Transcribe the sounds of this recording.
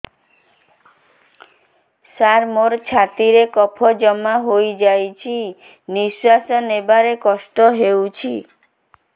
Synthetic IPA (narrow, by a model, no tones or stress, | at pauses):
saɾmoɾt͡ʃʰat̪iɾekɔpʰɔd͡ʒɔmaɦojd͡ʒajt͡ʃʰi | niswasɔnebaɾekɔsʈɔɦewt͡ʃʰi